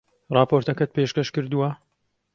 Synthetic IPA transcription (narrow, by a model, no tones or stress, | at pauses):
rɑːpoɾt̪ɐkɐt̪̚peːʃkɐʃkɨɾd̪uwɐ